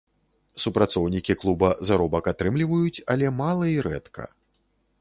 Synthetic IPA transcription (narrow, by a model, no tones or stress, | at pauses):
supɾat̪sɔwnʲikʲiklˠubɐzaɾɔbɐkat̪ɾɨmlʲivɐjut͡sʲalʲɛmalˠɐiɾɛ̰t̪kʰɐ̰